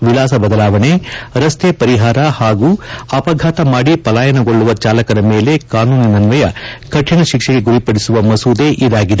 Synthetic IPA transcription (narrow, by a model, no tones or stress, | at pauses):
ʋilaːs̬ɐbɐd̪ɐlaːʋɐɳeɾɐst̪ʰepɐɾiɦaːɾɐhaːɡuːɐpɐɡʱaːt̪ɐmaːɽipɐlaːjɐnɐɡoɭːuʋɐt͡ʃaːlɐkɐɾɐmeːle̞kaːnuːninɐnʋɐjɐkɐʈʰːiɳɐʃikʂeɡe̞ɡuɾipɐɽisuʋɐmɐsuːd̪eʔid̪aːɡid̪e